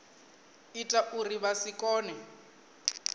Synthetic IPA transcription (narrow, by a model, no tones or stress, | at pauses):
itʼaʔuriβasikʼɔːnɛ